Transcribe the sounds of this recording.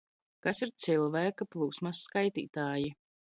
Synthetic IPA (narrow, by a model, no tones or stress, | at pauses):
kasiɾt̪silˠvæːkaplˠuːsmasːkajt̪ḭːt̪aːji